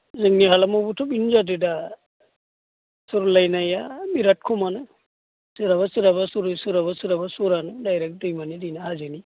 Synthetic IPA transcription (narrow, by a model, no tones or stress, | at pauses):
zɯŋniɦalamubutʰɔbinzadɯda | suɾulajnajamiɾat̚kʰumanɯ | sɯɾaβasɯɾabasuɾɯsuɾabasɯɾabasuɾanɯdajɾɛk̚dɯjmanidinaɦazɯni